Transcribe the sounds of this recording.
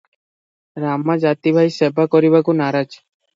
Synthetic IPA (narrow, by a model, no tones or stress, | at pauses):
ɾamad͡ʑat̪ibʱajsebʱakɔɾibakunaɾad͡ʒ